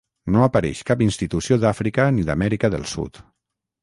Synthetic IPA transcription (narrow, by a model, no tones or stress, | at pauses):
noapaɾɛ̰ʃkapinst̪it̪usioðafɾikaniðamɛɾikaðə̰lˠsṵt̪